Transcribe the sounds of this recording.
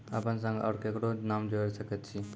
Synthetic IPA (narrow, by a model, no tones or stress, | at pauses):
apəns̬ə̃ŋɡa̰ɾkekɽonamd͡ʒoɾsəkət̪t͡ʃʰi